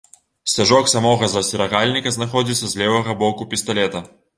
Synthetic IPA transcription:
sʲaʐɔksamɔɣɐzɐsʲɛɾɐɣalʲnʲikɐznaxɔd͡zʲit̪sːɐzʲlʲɛvɐɣɐbɔkupʲist̪alʲɛt̪ɐ

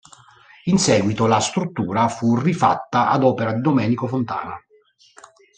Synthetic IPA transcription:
insɛːɡwit̪olast̪ɾut̪ːuːɾafurifa̰t̪ːaʔa̰d̪ɔːpeɾad̪id̪omɛːnikofont̪a̰ːna̰

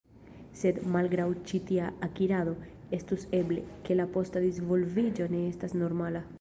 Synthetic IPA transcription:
se̞d̪malɡɾawt͡ʃit̪iaakiɾaðo̞ | e̞st̪use̞ble̞̰ke̞lapo̞st̪ad̪izvolvid͡ʒo̞ne̞estasno̞ɾmala

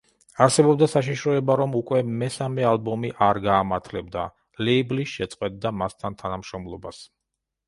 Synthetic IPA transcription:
aɾsɛbɔb̚d̪asaʃ̬iʃɾɔɛbaɾɔmukʼwɛmɛsamɛalˠbɔmiʔaɾɡaːmaɾt̪ʰlɛbd̪a | lɛːblisʃɛt̪sʼqʼwɛt̪̚d̪amast̪ʰant̪ʰanamʃɾɔmlˠɔbas

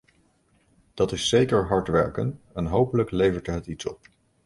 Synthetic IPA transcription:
d̥ɑtɪsːejkəɹɦɑɹtʋɛɹkə̰nɛnɦowpələklejvəɹtɦətitsɔ̰p

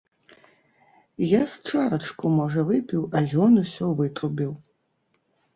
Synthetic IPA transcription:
jast͡ʂaɾɐt͡ʂkumɔʐɐvɨpʲiwajʲɔnusʲɔvɨt̪rubʲiw

